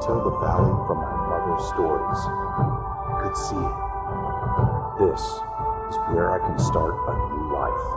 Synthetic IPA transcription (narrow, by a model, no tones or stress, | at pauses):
tʰɛlˠðəvælˠjufɹʌ̃mamʌðə˞z̥stɔɹiz̥ | aɪsi | ðɪs | ɨzwɛɹʔa̰ɪkʰnstɑɹɾ̚aɪnula̰ɪf